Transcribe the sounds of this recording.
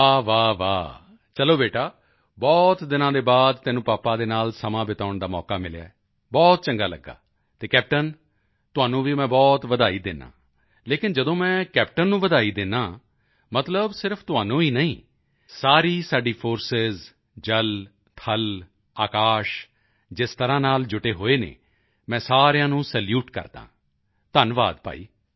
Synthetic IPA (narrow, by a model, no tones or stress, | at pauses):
aːʋaːʋa̰ː | t͡ʃəloːbeːʈaː | bɔːt̪d̪ɪnãːd̪eːbaːd̪t̪ɛːnũːpaːpãːd̪eːnaːlsəmãːbɪt̪aːʊɳd̪aːmɔ̰ːkaːmɪlɪja̰ːɛ | bɔːt̪̚t͡ʃəŋɡaːlə̰ɡːa̰ː | t̪eːkɛːp̚ʈən | t̪ʊaːnũːʋiːmɛ̃ːbɔːt̪ʋəd̪aːiːd̪ɪnːã̰ː | leːkɪnd͡ʒəd̪õːmɛ̃ːkɛːp̚ʈənːũːʋəd̪aːiːd̪ɪnːaː | mət̪ləbsɪɾpʰt̪ʊɦaːnõːiːnəĩː | saːɾiːsaːɖiːpʰoːɾsɪz | d͡ʒəl | t̪ʰəl | aːkaːʃ | d͡ʒɪst̪əɾãːnaːld͡ʒʊʈeːɦoːeːnḛː | mɛ̃ːsaːɾejãːnũːsɛːljuːʈkə̰ɾd̪ã̰ː | t̪ənʋa̰ːd̪pa̰ːḭː